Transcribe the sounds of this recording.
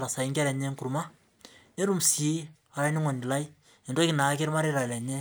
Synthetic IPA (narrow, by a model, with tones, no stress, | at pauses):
ɾa˨sa˨i˦ŋɡɛ˦ɾɛ˨ɲɛ˦ŋku˨ɾma˦ | ne˦ɾu˦msi˨˦ | a˨ɾa˦ni˦ŋɔ˨ndi˨la˦i˦ | e˨ndo˦ki˨na˨˦k̬e˦ɾma˦ɾeɾa˨la˨ɲɛ˦